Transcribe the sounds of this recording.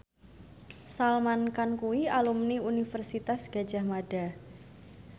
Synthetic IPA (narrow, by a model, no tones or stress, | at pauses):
salmankankuwialumniunifərsit̪asɡ̥a̤d͡ʒahmada